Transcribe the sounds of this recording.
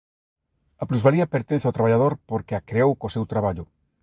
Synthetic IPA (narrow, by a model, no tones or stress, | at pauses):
ɐpluzβaliɐpeɾt̪ẽn̟θawt̪ɾaβ̞aʎaðoɾpoɾkeakɾeowkosewt̪ɾaβaʎʊ